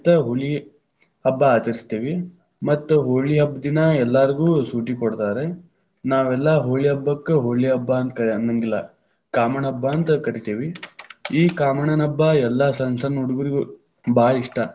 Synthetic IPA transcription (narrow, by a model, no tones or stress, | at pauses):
t̪ɐɦoɭi | ɦɐbːɐːt͡ʃɐɾist̪iːʋi | mɐt̪ːuɦoɭiɦɐbd̪inɐɛlːaːɾiɡuːsuːʈikoɽt̪aːɾe̞ | naːʋɛlːɐɦoːɭiɦɐbːɐkːeɦoːɭiɦɐbːɐːnt̪kɐnɐŋɡilːɐ | kaːmɐnɐɦɐbːɐːnt̪ɐkɐɾit̪iːʋiiːkaːmɐɳɐnɐbːɐɛlːɐsɐnsɐnuɽuɡuɾiɡu | baːliʂʈɐ